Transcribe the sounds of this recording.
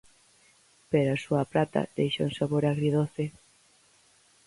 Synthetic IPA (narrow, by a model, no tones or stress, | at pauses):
peɾasuɐpɾat̪a̰d̪̥ejʃoŋsaβoɾaɣɾiðoθe